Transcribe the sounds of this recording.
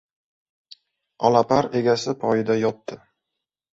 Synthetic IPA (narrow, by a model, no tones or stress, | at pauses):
ɒlˠapaɾe̞ɡʲasɪpʰɒjɪd̪ajɒt̪ːɪ